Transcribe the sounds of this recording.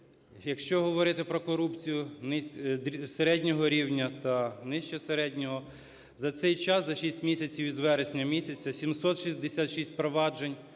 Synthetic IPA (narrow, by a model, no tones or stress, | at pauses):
jɐkʃt͡ʃɔɦɔʋɔɾɪt̪ɪpɾɔkɔɾupt͡sʲijʊnɪseɾɛdʲnʲɔɦɔɾʲiwnʲɐt̪ɐnɪʃt͡ʃɛseɾɛdʲnʲɔɦɔ | zɐt̪sɛjt͡ʃɑszɐʃisʲtʲmʲisʲɐt͡sʲiwizʋɛɾesʲnʲɐmʲisʲɐt͡sʲɐsʲimsɔt̪ʃizʲd̪esʲat̪ʃisʲt̚ʲpɾɔʋɑd͡ʒenʲ